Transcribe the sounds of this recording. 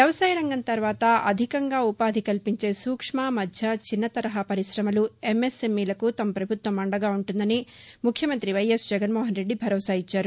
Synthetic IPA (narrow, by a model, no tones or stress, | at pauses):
ʋjɐʋɐsaːjɐɾɐŋɡɐnt̪ɐɾʋaːt̪ɐɐd̪ʱikɐŋɡaːupaːd̪ʱikɐlpiɲt͡ʃe̞ːsuːkʂmaːmɐd̪ʱjɐt͡ʃinːɐt̪ɐɾɐɦɐpɐɾisɾɐmɐluemːesemːiːlɐkut̪ɐmɐpɾɐbʱut̪ʋɐmɐɳɖɐɡaːuɳʈund̪ɐni | mukʰjɐmɐnt̪ɾiʋɐjesd͡ʒɛɡɐnmoːɦɐnɾe̞ɖːibʱɐɾɔːsaːjit͡ʃːaːɾu